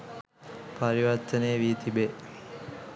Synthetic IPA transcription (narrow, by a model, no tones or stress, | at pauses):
pɐɾiʋɐɾt̪əneːʋit̪ʰibe